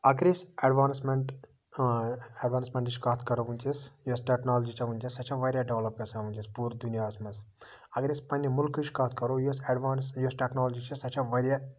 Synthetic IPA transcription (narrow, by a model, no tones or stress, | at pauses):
ɐɡɾisɐɖʋaːnsmeɳʈ | eɖʋaːnsmeɳʈit͡ʃʲkaːt̪ʰkɐɾoʋunʲt͡ʃisjosʈeknaːld͡ʒit͡ʃʰɐʋunt͡ʃisɐt͡ʃʰɐʋɐɾʲjaɖeʋlɐp̚ɡɐsɐʋunʲt͡ʃispuːɾd̪unijaːɐsmɐs | ɐɡɾispɐnʲːimʊlkɨt͡ʃʲkaːt̪ʰkɐɾojosɐɖʋaːnsjosʈeknaːld͡ʒit͡ʃʰisɐt͡ʃʰɐʋɐɾja